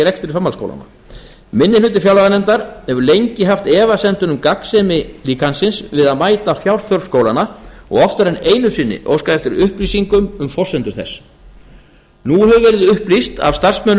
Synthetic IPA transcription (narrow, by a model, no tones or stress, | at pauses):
ɾɛkst̪ɪɾɪfamːalsko̰wla̰na̰ | mɪnːɪlʏːt̪̬ɪfjawlaɣanɛnt̪aɾ̥hɛvʏlejɲcɪɦaft̪ɛːvasɛnt̪ʏnʏmkaksɛmɪliːkansɪnsvɪðaðmaːjt̪afjawɾ̥θœɾskoːwlanaɔ̰ɣɔft̪ʏɾɛneːjnʏsɪnːɪ̰ʔo̰wskaðɛft̪ʏɾʏhplisiŋkʏmʏmfɔ̥sɛnt̪ʏɾ̥θɛ̰s | nuhɛvʏvɛɾðɪðʏhplist̪a̰vst̪ar̥smœn